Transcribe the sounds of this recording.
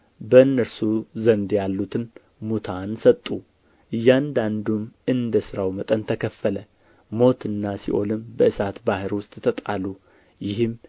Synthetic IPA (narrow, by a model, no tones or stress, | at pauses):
bəɨnːəɾsuzənd̪jalːut̪ʰɨn | mut̪ʰansət̪ʼːu | ʔɨjːand̪and̪umɨnd̪əsɨɾawmət̪ʼənt̪ʰəkʰəfːələ | mo̞t̪ʰɨnːasḭʔo̞lɨmbəʔɨsat̪bahɨɾwʊst̪ʼt̪ʰət̪ʼa̰lu | jɪhɨm